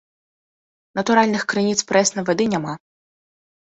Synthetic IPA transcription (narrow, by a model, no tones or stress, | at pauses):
nɐt̪ʊɾalʲnɨxkɾɨnʲit̪spɾɛsnɐvɛd̪ɨnʲama